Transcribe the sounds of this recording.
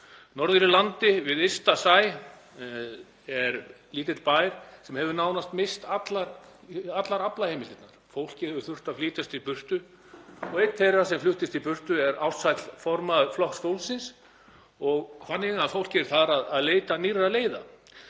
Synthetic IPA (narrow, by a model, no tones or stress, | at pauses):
nɔɾðʏɾɪlant̪ɪvɪðest̪asaːj | ɛɾliːt̪ɪt̪lpaːjɾ̥sɛmhɛvʏnaːwnast̪mest̪at̪laɾat̪laɾaplahejmɪlɪt̪naɾ̥fowl̥cɪhɛvʏ̥θʏr̥t̪afliːt̪ast̪ipʏr̥t̪ʏ | ɔɣejt̪θejrːasɛmflʏht̪ɪst̪ipʏr̥t̪ʏɛɾawt̪sajt̪l̥fɔɾmaflɔh̪st̪owlsɪns | ɔɣkfanːɪɣafowl̥cɪɛɾ̥θaðɾaðaðleːjt̪anirːaleːjða